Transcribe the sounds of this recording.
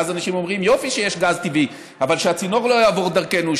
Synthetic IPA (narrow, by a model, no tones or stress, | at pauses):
zanaʃimo̞mʁimjo̞fiʃejeʃɡazt̪ivi | avalʃeat͡sino̞ʁlo̞jaːvoʁd̪aʁke̞nu